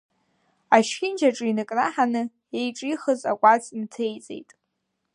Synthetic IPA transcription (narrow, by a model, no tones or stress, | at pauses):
aʃʲɪnd͡ʒaʈ͡ʂʼɨinɨkʼraħanɨ | ejʈ͡ʂʼiχəza̰kʷʼat͡sʼmtʰejt͡sʼe̞̰jtʼ